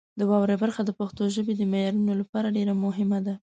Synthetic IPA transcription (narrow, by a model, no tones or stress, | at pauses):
d̪əwɑwɾebaɾxad̪əpaxt̪oʒəbed̪əmajɑɾunolapɑɾaɖeɾamʊɦɪmad̪a